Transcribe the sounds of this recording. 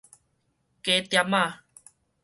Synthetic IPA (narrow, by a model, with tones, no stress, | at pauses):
ke˨t̪ja˧˨ma˥˨